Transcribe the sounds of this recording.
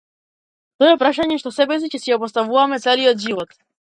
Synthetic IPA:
t̪ɔɛpɾaʃaɲɛʃt̪ɔsɛbɛs̬icɛsijapɔst̪avuvamɛt̪sɛliɔd̪ʒivɔt̪

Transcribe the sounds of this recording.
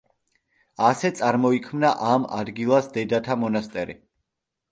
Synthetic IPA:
asɛt̪sʼaɾmɔikʰmnaʔamad̪ɡilˠasd̪ɛd̪at̪ʰamɔnast̪ʼɛɾḭ

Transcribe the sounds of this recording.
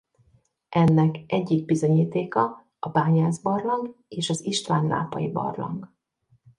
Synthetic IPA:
ʔɛnːɛkɛɟːiɡ̚bizo̞ɲiːt̪eːkɒ | ɒbaːɲaːzbɒrlɒŋɡeːʃɒziʃt̪ʋaːnlʔa̰ːpɒ̰jibɒ̰rlɒ̰ŋɡ

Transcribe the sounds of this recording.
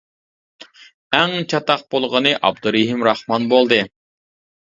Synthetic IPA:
ɛŋt͡ʃʰɑt̪ɑq̚b̥olˠʁənɨʔɑb̚d̪uɾeɦimɾɑχmɑnbolˠd̪ɨ

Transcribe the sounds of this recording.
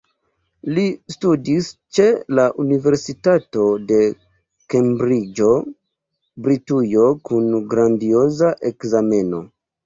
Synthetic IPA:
listudist͡ʃe̞laʔunive̞ɾsitato̞de̞ | kembɾid͡ʒo̞ | bɾitujo̞kunɡɾandio̞zaʔe̞kzame̞no̞̰

